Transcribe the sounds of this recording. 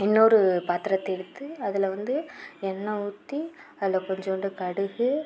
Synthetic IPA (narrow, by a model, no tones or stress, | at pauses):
ɛnːɐɔɾɯpaːt̪ɪɾɐt̪ːɛɽɯt̪ːɯɐðɪlɐʋɐnd̪ɯɛnːɐʊt̪ːi | ɐðɪlɐkɔɲd͡ʒoɳɖɯkɐɽɯɣɯ